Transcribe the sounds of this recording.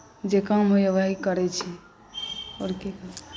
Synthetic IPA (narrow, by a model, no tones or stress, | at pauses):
d͡ʒekamɦojeʋaɦikəɾɛt͡ʃʰɛ | oɾkeka